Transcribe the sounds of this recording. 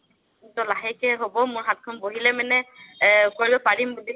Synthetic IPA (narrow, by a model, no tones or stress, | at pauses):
tɔlaɦɛkɛɦobɔmʊɹɦat̚kʰɔnboɦilɛmɛnɛ | koɹibɛpaɹimbuli